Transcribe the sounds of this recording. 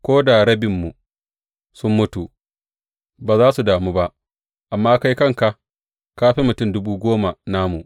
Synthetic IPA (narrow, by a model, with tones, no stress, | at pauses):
kʷoː˦da˨ɾɐ˦bɪ˨mːu˨ | sʊ˦mːʊ˦tu˨ | baː˨zaː˦su˨daː˨muː˦ba˦ʔ | ʔa˨mːaː˦ka˦jkɐ˦˨ŋka˨ʔ | kaː˦ɸi˦mʊ˨tʊ˦˨mdʊ˦buː˦ɡʷoː˦ma˨na˦mu˨ʔ